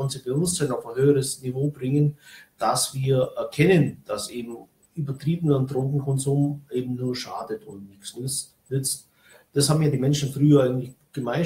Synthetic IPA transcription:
nziːb̥aɪvʊstzanaʊfəhøːəʁəsnivoːbʁɪŋənd̥asv̥iːɐʔɛɐkʰɛnənd̥asʔeːbm̩ | ʔyːbɐtʁ̥iːbənəndʁʊŋkŋ̩kʰɔnzuːmʔeːbm̩nuːɐʃa̰ːdətʊntnɪçsnʏt͡s | nʏt͡st | d̥ashaːbm̩jaːdiːmɛnʃn̩fʁyːɐʔaɪɡŋ̩tlɪçɡ̥əmaɪ

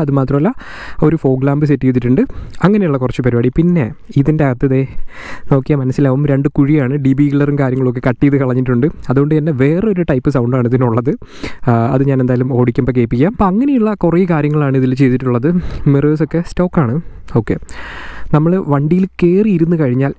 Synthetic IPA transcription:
ɐðɨmaːt̪rɐmɐlːɐo̞ɾufo̞ːɡlaːmbɨsetːijt̪ːiʈːuɳɖɨɐŋːɐne̞juɭːɐkurɐt͡ɕːɨpɐɾiʋaːɽipinːe̞iðinde̞ɐɣɐt̪ːɐðe̞no̞ːkːijɐmɐnɐsːilaːʋɐmɾe̞ɳɖɨkuɻijaːɳɨɖibiːɡlɐrumkaːɾjɐŋːɐɭo̞k̬ːe̞kɐʈːijɐðɨkɐɭɐɲːiʈːuɳɖɨɐðuɣo̞ɳɖɨenːe̞ʋe̞ːreo̞ɾuʈɐjpːɨsɐwɳɖaːɳiðinuɭːɐðɨ | ɐ̰ðɨɲaːnend̪aːjalumo̞ːɽikʲːumbɐke̞ːpːikʲːɐjaːmpo̞ːɐŋːɐnejuɭːɐkurɐjikaːɾjɐŋːɐɭaːɳɨiðilt͡ɕe̞jt̪ːiʈːuɭːɐðɨmireːso̞kːe̞sto̞ːkːaːɳɨ | o̞ːkːe̞̰nɐmːɐɭʋɐɳɖijilke̞ːriiɾunːukɐɻiɲːaːl

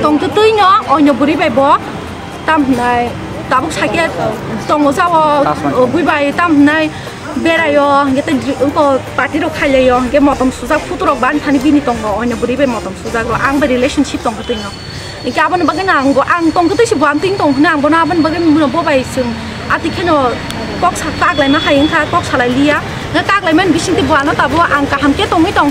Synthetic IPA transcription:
tɔŋtɯtɯjnɔːjnɔbuɾibajbɔ | tamɦɯnaj | tabɔksake | tɔŋɔzawɔbujbajtamhɯnaj | beɾajɔhɯŋɡetakɔpaɾtiɾɔwkʰajlajɔhɯŋɡemɔtɔmsuzapʰutɔɾɔk̚banitʰanibinitɔŋɔːjnɔbuɾibajmɔtɔmsuzakɾɔʔaŋbaɾilesɔnsip̚tɔŋkʰɯtɯjnɔ | ikeabɔnbaɡɯnaŋbɔʔaŋtɔŋkɯtɯjsibɔamtɯjŋtɔŋɦɯnaaŋbɔnɔabɔnbaɡɯnmunɔbɔbajsɯŋ | atikʰenɔ | kɔk̚sakak̚lajmaɦajɯŋkʰakɔk̚salajlija | ŋakak̚lajmanbisiŋtibuanɔtabɔʔaŋkaɦamketɔŋɯjtɔŋ

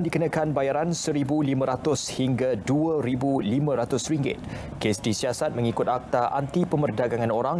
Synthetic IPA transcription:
ndikənãkanbajaɾansəɾibulimə̃ɾat̪ʊshiŋɡaduəɾibulimə̃ɾat̪ʊsriŋɡɪ̰t̪̚ | kesdisiasat̪̚mə̃ŋikʊt̪ak̚t̪aʔa̰nt̪ipəmərdaɡaŋãnoɾaŋ

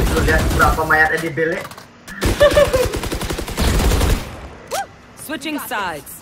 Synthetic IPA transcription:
t̪uliɦat̪̚bəɾapamajat̪̚adibelɪʔ | swɪt͡ʃɪ̃ŋsajds

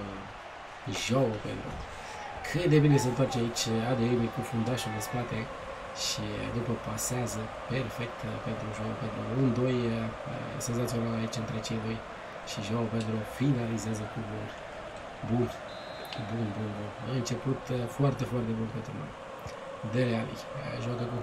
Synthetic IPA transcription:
ʒoəpḛnt̪ɾṵ | kʰɨt̪d̪ebine̞s̬əɨnt̪art͡ʃeait͡ʃʲad̪eemejkufund̪aʃuld̪espat̪e̞ | ʃid̪upəpaseazə | perfe̞k̚t̪pe̞nt̪ɾuʒope̞nt̪ɾuund̪o̞j | ə̰se̞ns̬at̪sio̞nalait͡ʃɨnt̪ɾe̞t͡ʃe̞jd̪o̞j | ʃiʒawupe̞nt̪ɾuofinalizeazəkubul | bun | bunbunbunɨnt͡ʃe̞put̪foart̪e̞foart̪e̞bulpe̞nt̪ɾuno̰m | d̪eɾealḭ | ʒoakəku

